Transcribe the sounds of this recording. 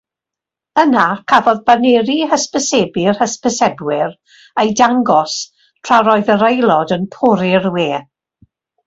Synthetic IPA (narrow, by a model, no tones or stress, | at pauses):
ənakʰavɔðbaneɾihəspəsɛbɪrhəspʰəsɛbwɪr | ejdaŋɡɔs | tʰr̥aɾɔɨðəɾejlˠɔdənpʰʊɾɪrweː